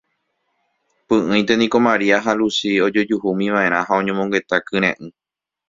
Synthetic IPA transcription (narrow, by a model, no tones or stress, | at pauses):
pɨ̃ʔɨ̃j̃t̪e̞nĩko̞mãɾiaɦalusio̞d͡ʒo̞d͡ʒuhumĩʋãʔẽ̞ɾ̃ãɦaõ̞ɲẽmõ̞ŋɡe̞t̪akɨ̃ɾ̃ḛ̃ʔɨ̃